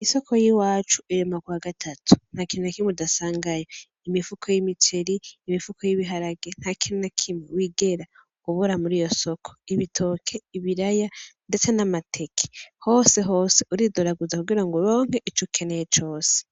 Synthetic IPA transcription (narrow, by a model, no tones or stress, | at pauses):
iso̞kʰo̞jiwaːt͡ʃuiɾemakwaːɡatʰatʰu̥n̥hakiinakimedasaːŋɡajo | imifukʰojimit͡ʃeɾiːmifukʰojiβiɦaɾaɡen̥hakʰiinakʰimwewiːɡe̞ɾa | kuβuɾamuɾijo̞so̞kʰo̥iβitʰo̞kʰe̞iβiɾajande̞t͡se̞namatʰe̞kʰe̥ho̞ːse̞ɦo̞ːse̞uɾidoɾaɡuzakuɡiɾaŋɡuɾo̞ːŋ̥e̞ʔit͡ʃukʰe̞nejet͡ʃo̞ːse̥